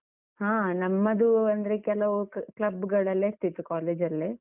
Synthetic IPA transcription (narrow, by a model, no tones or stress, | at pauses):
hãːnɐmːɐd̪uɐnd̪ɐɾekɛlɐʋuklɐbːuɡɐɭɐlːeːɐst̪it̪ːukaːleːd͡ʒɐlːe